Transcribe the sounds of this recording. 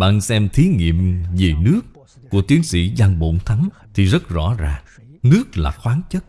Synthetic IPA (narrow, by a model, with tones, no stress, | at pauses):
ɓa̰ː˧˨nsɛ˧mt̪ʰi˨˦ŋḭ˧˨əmve˨˩nɨ˦˥ək̚ː | u˧˩ət̪i˨˦ənsḭ˧˥za˧˩ŋɓo̰˧˨nt̪ʰa˨˦ŋ | t̪ʰi˨˩zə˦˥t̚zɔ̰˧˥zaː˨˩ŋ | nɨ˦˥ək̚laː˨˩xwaː˨˦ŋt͡ɕə˦˥t̚